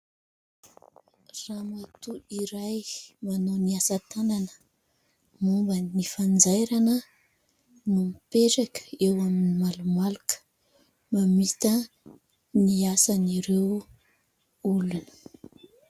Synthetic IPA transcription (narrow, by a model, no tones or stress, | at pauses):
ramat̪uiɾajmanoniasat̪ananə̥ | mumbənifand͡zajɾanə | numipeʈ͡ʂakə̥ewaminimalumalukə̥ | mamit̪ə | niasaniɾew | ulunə̥